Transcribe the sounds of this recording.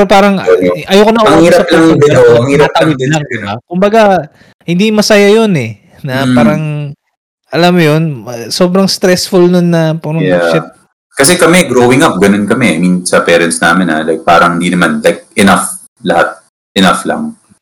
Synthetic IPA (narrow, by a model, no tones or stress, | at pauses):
opaːɾɐŋʔɐjoːkonɐʔɐhiiɾɐsɐplaŋɪɐɐŋhiːɾp̪aɪd̪ɪnɐŋd̪ɪbakʊmbɐɡa | hɪnd̪imɐsajajonɛ | nɐpaːɾɐŋ | ʔɐlamːjonso̞ːbɾɐŋst̪ɾɛsfʊlnonːɐpuɾɐjaʃɪt̪̚ | kɐs̬ɛkɐmɛɡɾowɪŋɐp̚ɡɐnonkɐmɛʔɐmɪŋsɐpɛːɾɛnsna̰ːmɪna̰lajk̚pa̰ːɾɐŋhɪnd̪inɐmanlajk̚ʔɛnaf | lɐhat̪̚ | ʔɛnaflɐ̰ŋ